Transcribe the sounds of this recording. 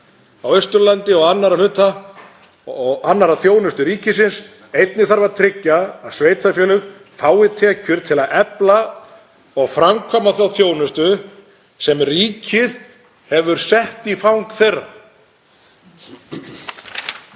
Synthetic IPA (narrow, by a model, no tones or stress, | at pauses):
awœɥst̪ʏɾlant̪ɪɔɣanːaɾalʏːt̪a | ɔɣanːaɾaθjoːwnʏst̪ʏɾiːcɪsɪns | ejt̪̚nɪθaɾvaɾt̪ʰɾɪcːaːðsveːjt̪ʰafjɛːlʏx | faːwɪt̪ʰɛːcʏɾ̥t̪ʰɪlaðɛpla | ɔɣfɾamkʰvɔmaθjawθjoːwnʏst̪ʏ | sɛmriːcʰɪð | hɛvʏɾ̥sɛht̪ifawŋkθejrːa̰